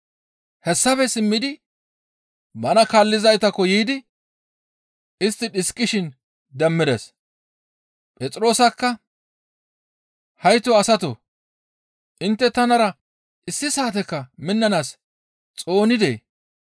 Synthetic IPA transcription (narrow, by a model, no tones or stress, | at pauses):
hɛsːɐfɛsɪmːɪd̪ɪ | bɐnɐkaːlːɪzɐjt̪ɐkːɔjiːd̪ɪ | ɪst̪ːɪɗɪskʼːɪʃɪn | d̪ɛmːɪd̪ɛs | pʼɛt͡sʼɾo̞ːsɐkːɐ | hɐjt̪ɔɐsɐt̪o̰ | ʔɪnt̪ːɛt̪ɐnɐɾɐ | ʔɪsːɪsaːt̪̬ɛkːɐmɪnːɐnaːs | t͡sʼo̞ːnɪd̪ḛː